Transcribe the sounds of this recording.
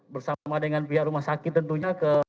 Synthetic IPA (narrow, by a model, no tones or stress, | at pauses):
bərsamadəŋanp̬iaʔɾumahsakɪt̪ːənt̪uɲakə